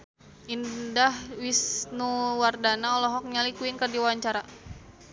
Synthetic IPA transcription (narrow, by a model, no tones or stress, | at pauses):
ʔindahwisnuwardanaɔlɔɦɔk̚ɲalikuinkərdiwawaɲt͡ʃaɾa